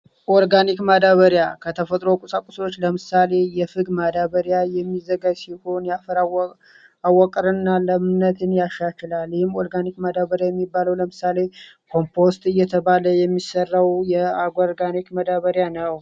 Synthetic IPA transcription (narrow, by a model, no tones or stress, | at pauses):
ʔoɾɡanikmad̪aβəɾjakʰət̪ʰəfət̪ʼɾo̞kʼusʼakʼuso̞t͡ʃːləmɨsale̞jɛfɨɡmad̪aβəɾjajɛmːizəɡajsiho̞njafɾ | awːəkʼɾɨnːaləmɨnət̪ʰɨnjaʃat͡ʃɪlalːɪhɪmːoɾɡanikmad̪aβəɾjajɛmːibːaləwləmɨsale̞ | kʰo̞mpʰo̞st̪ɨjːɛt̪ʰəβaləjɛmːisərːəwjɛaɡaɾɡanikməd̪aβəɾjanəw